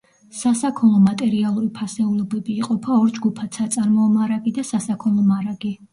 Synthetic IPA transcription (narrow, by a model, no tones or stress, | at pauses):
sasakʰɔlˠɔmat̪ʼɛɾialˠuɾipʰasɛulˠɔbɛbiːqʼɔpʰaɔɾd͡ʒɡupʰat̪sat̪sʼaɾmɔːmaɾaɡid̪asasakʰɔlˠɔmaɾaɡi